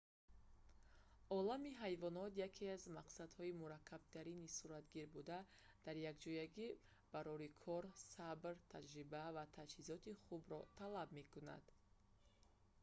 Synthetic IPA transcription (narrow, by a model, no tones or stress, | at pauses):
ɔlamiɦajvɔnɔt̪jakʰeazmaqsad̪hɔimuɾakʰːab̥̚t̪ʰaɾinisuɾat̪ɡiɾbud̪a | d̪̥aɾjakd͡ʒɔjaɡi | b̥aɾɔɾikʰɔɾsabɾt̪ʰad͡ʒɾibavat̪ʰad͡ʒhizɔt̪iχubɾɔt̪ʰalabme̞kuna̰d̪̥